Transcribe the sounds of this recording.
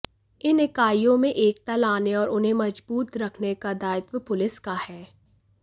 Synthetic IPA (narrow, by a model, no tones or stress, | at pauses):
ɪnɪkaːijõmẽʔeːk̚t̪ɐlaːneɔːɾʊnɦẽmɐd͡ʒbuːt̪ɾɐkʰnekad̪aːɪt̪wəpʊlɪskahɛː